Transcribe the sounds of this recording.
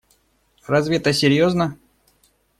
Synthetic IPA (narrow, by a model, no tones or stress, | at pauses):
rɐzvʲet̪əsʲɪɾʲjoznə